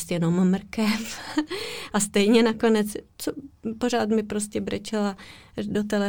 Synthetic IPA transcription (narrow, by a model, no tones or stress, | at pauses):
st̪jɛno̞mmr̩kɛf | ʔast̪ɛjɲɛnako̞nɛt͡st͡sopoɾ̝aːt̪mɪpɾoscɛbrɛt͡ʃɛla | dot̪ɛlɛ